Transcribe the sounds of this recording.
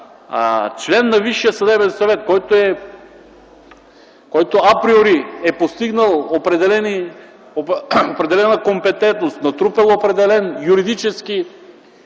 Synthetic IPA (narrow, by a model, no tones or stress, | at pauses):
t͡ʃlɛnːaviʃːijəsɐd̪ɛbɛnsɐvɛt̪̚kɔjt̪oɛ | kɔjt̪oapɾioɾiɛpost̪iɡnəlˠopɾɛd̪ɛlɛni | opɾɛd̪ɛlɛnakompɛt̪ɛnt̪nost̪nɐt̪ɾupɛlˠopɾɛd̪ɛlɛnjuɾid̪it͡ʃɛski